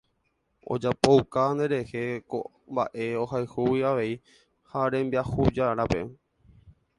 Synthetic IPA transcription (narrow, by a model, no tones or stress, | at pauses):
o̞̰d͡ʒapoukand̪e̞ɾe̞he̞ko | mba̰ʔe̞ohajhuwiaʋe̞i | haɾẽ̞mbiahud͡ʒaɾape̞̰